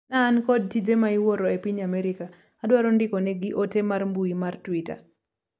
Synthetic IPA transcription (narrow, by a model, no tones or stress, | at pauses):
naːnkɔd̚tid͡ʒemaiwoɾɔepiɲamɛɾɪka | adwaɾɔndɪkɔnɛɡɪʔotemarmbuimartwita̰